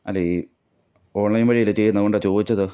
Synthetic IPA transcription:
ɐlːei | o̞ːɳlɐjnʋɐɻijilɨt͡ɕe̞jːunːɐkoɳɖat͡ɕo̞ːd̪it͡ɕːɐðɨ

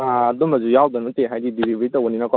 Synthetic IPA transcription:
aɐdumɐzujawd̪ɐnuteɦajdidilibeɾitɐunːinɐkɔ

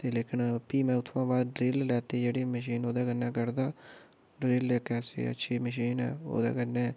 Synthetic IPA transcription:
t̪eːleːkɪnpiːmɛ̃ːʊt̪ʰʋãːbaːd̪ɖɾeːllɛːt̪eːd͡ʒeːɽeːməʃ̬iːnoːd̪aːkənːaːkəɾd̪aː | ɖɾeːlɛkɛːsḛːə̰tːʃʰiːməʃ̬iːnɦɛ̰ːo̰ːd̪a̰ːkəɾne

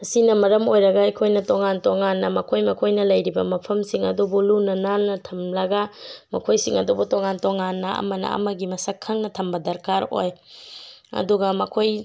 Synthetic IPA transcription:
ɐsinɐmɐɾɐmojɾɐɡɐɐjkʰojnɐtoŋantoŋanːɐmɐkʰojmɐkʰojnɐlɐjɾibɐmɐpʰɐmsiŋɐ̰dubulunɐnalnɐtʰɐmlɐɡɐmɐ̰kʰojsiŋɐ̰dubutoŋantoŋanːɐɐ̰mɐnɐ̰ɐ̰mɐɡimɐsɐkʰːɐŋnɐtʰɐmbɐdɐɾkaɾo̰j | ɐ̰duɡɐmɐkʰoj

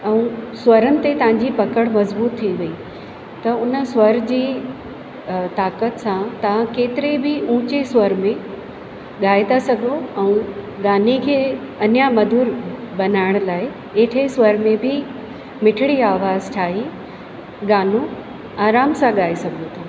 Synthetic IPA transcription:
ɛ̃ũswɐɾənɪ̆t̪et̪ɐʋ̤ãɲ̆d͡ʑipɐkəɽ̃mɐzbuːt̪ʰːiʋɐi | t̪ɐʊnə̆swɐɾd͡ʑiː | t̪aːkət̪sãt̪ɐʋ̤ãkeːt̪ɪɾebɪũːt͡ɕeswɐɾmẽ | ɠaːet̪asɐɡʱoɛ̃ũ | ɡaːnikʰeː | ɐnjamɐd̪ʱuːɾbɐnaːɪɽ̃laːɪ | eːʈʰeswɐɾmẽbʱɪ | mɪʈʰɪɽiaːʋaːzt͡ɕʰaːɦi | ɠaːnu | aːɾaːmsãɠaːesɐɡʱot̪ʰã

